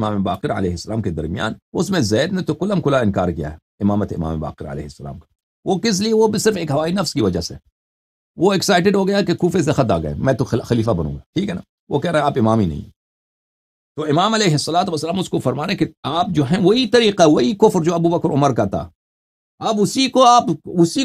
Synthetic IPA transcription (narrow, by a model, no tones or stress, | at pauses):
maːmeba̰ːqɪɾɐ̰lɛːɦɪsːɐlaːmked̪ɐ̰ɾmija̰ːnʊsmẽzɛːd̪nẽt̪okʊləmkʊlaɪ̃nkaːɾkija̰ɦɛ | ɪmaːmət̪eɪma̰ːmeba̰ːqɪɾə̰lɛ̰ːɦɪsːɐla̰ːmkḁ | ʋokɪs̬lieʋobisɪɾfeːkɦɐʋaːinɐfskiʋɐd͡ʒasḛ | ʋoɛksaːɪʈ̬ɪɖɦoːɡɐjaɛkekuːfes̬exɐt̪̬a̰ːɡɐ̰ḛmɛ̃ːt̪oxɐliːfabɐnṵ̃ːŋɡaːʈʰiːkɦɛna | ʋokɛɦɾẽɦẽaːpɪmaːminɐ̰ɦḭ̃ | t̪oːɪmaːmɐlɛːɦɪsːɐlaːt̪̬uʋɐsːɐlaːmʊskofɐɾmaːɾẽkeaːp̚d͡ʒoːɦɛ̃ʋoɦit̪ɐɾiːqaɦɛʋɐɦikʊfɾd͡ʒoːɐbubɐkɾʊməɾkat̪ʰa̰ː | ɐːbʊsikoaːpʊsi